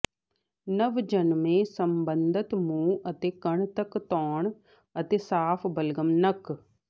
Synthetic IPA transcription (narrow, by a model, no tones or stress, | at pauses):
nəʋd͡ʒənmẽːsəmbənd̪ət̪mũːət̪eːkəɳt̪əkt̪ɔːɳ | ət̪eːsaːpʰbəlɡəmnək